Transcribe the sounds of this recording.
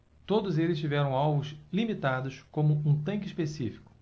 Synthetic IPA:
t̪od̪ʊzelɪst͡ʃivɛɾɐ̃w̃awvʊzlimit̪ad̪ʊskõmʊũt̪ɐ̃kɪispesifi̥kʊ̥

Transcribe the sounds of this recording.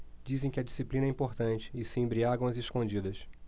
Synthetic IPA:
d͡ʒizẽj̃kɪɐd͡ʒisiplĩnɛĩpoɾt̪ɐ̃nt͡ʃɪ̥ːsɪẽbɾiaɡɐ̃w̃ɐzeʃkõnd͡ʒid̪ɐs

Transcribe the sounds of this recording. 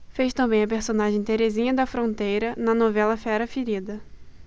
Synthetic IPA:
fejʃt̪ɐ̃bẽj̃ɐpeɾsõnaʒẽj̃t̪eɾezĩɲɐd̪ɐfɾõnt̪ejɾɐnɐnovɛlɐfɛɾɐfiɾid̪ɐ

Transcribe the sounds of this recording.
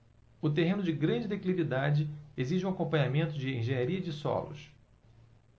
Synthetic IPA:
ʊt̪eɦẽnʊd͡ʒɪɡɾɐ̃d͡ʒɪd̪eklivid̪ad͡ʒɪeziʒɪũakõpɐ̃ɲamẽnt̪ʊd͡ʒɪẽʒẽɲaɾiɐd͡ʒɪsɔ̰lʊ̰s

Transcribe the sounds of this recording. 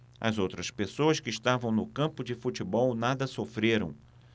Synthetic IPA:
ɐ̰zowt̪ɾɐspesoɐskɪːʃt̪avɐ̃w̃nʊkɐ̃mpʊd͡ʒɪfut͡ʃɪbɔwnad̪ɐsofɾeɾɐ̰̃w̃

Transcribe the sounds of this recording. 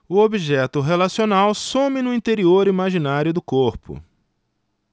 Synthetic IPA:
ʊobiʒɛt̪ʊɦelasionawsõmɪnʊĩt̪eɾioɾimaʒinaɾjʊd̪ʊkoɾpʊ̰

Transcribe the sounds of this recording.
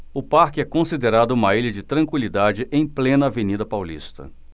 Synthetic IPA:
ʊpaɾkɪɛkõsid̪eɾad̪ʊũmɐiʎɐd͡ʒɪt̪ɾɐ̃kwilid̪ad͡ʒɪʔẽj̃plẽnɐːvenid̪ɐpawlḭst̪ɐ̰

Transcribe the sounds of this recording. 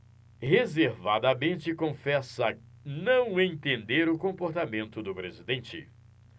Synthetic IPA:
hezeɾvad̪ɐmẽnt͡ʃɪkõfɛsɐ | nɐ̃w̃ẽt̪ẽnd̪eɾʊkõmpoɾt̪amẽnt̪ʊd̪ʊpɾezid̪ẽnt͡ʃɪ̰

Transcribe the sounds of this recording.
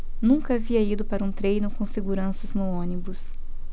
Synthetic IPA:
nũkɐaviɐid̪ʊpaɾɐũt̪ɾejnʊkõseɡuɾɐ̃sɐznoõnibʊs

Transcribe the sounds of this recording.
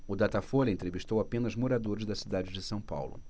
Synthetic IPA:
ʊd̪at̪afoʎʲɐẽnt̪ɾeviʃt̪owapẽnɐzmoɾad̪oɾɐzd̪ɐsid̪ad͡ʒɪd͡ʒɪsɐ̃w̃pa̰wlʊ̰

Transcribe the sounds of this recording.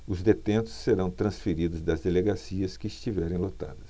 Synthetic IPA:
ʊzd̪et̪ẽnt̪ʊ̥ssːeɾɐ̃w̃t̪ɾɐ̃sfeɾid̪ʊzd̪ɐzd̪eleɡasiɐskɪːst͡ʃivɛɾẽj̃lot̪a̰d̪ɐs

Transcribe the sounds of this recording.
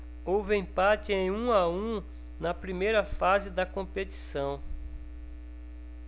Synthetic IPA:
owvɪẽpat͡ʃɪẽj̃ũaũ | nɐpɾimejɾɐfazɪd̪ɐkõpeti̥sɐ̃w̃

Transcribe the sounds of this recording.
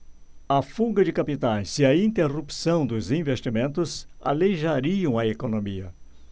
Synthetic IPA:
ɐfuɡɐd͡ʒɪkapit̪ajziɐĩnt̪erupsɐ̃w̃d̪ʊzĩvest͡ʃimẽnt̪ʊsa̰leʒaɾiɐ̃w̃ɐekonomiɐ̰

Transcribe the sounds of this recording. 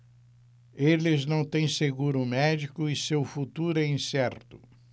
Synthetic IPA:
elɪznɐ̃w̃t̪ẽj̃seɡuɾʊmɛd͡ʒikʊɪsewfut̪uɾʊɛĩsɛɾt̪ʊ̥

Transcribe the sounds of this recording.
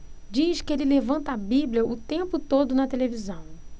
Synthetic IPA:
d͡ʒiʃkɪelɪlevɐ̃nt̪ɐabiblʲjɐʔʊt̪ẽmpʊt̪od̪ʊnɐt̪elevizɐ̃w̃

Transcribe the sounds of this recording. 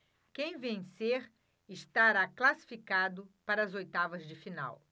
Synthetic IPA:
kẽj̃vẽj̃seɾ | ɪʃt̪aɾaklasi̥fikad̪ʊpaɾɐzojt̪avɐzd͡ʒɪfina̰w

